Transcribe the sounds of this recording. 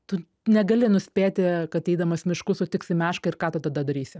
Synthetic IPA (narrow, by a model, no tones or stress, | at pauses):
t̪ʊ | nʲɛɡɐlʲɪnʊsʲpʲeːt̪ʲɪkɐt̪ɛɪd̪ɐmɐsmʲɪʃkʊsot̪ʲɪksʲɪmʲæːʃkɐɪɾkɑːt̪ɐt̪ɐd̪ɐd̪ɐɾʲiːsʲɪ